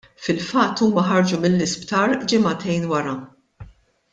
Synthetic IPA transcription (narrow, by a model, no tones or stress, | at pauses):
fɪlfɐt̪ːuːmɐħɐɾd͡ʒumɪlːɪspt̪ɐɾd͡ʒɪmɐt̪ɛjnwɐɾɐ